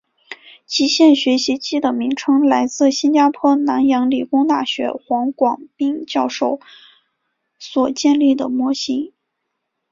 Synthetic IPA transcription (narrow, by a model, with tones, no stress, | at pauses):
t͡ɕi˧˥ɕjɛ˥˩nɕɥɛ˧˥ɕi˧˥t͡ɕi˥d̪ə˩mi˧˥ŋʈ͡ʂʰɤ˥ŋla˧˥ɪt͡sɹ̩˥˩ɕi˥nt͡ɕja˥pʰwɔ˥˩na˧˥njɑ˧˥ŋli˨˩kʊ˥ŋt̪a˥˩ɕɥɛ̰˧˥xwɑ˧˥ŋkwɑ˨˩ŋpi˥ŋt͡ɕjɑ˥˧ʊʂo˥˩ʊ | swɔ˨˩t͡ɕjɛ˥˧nli˥˩d̪ə̰˩mwɔ˥ɕi˥ŋ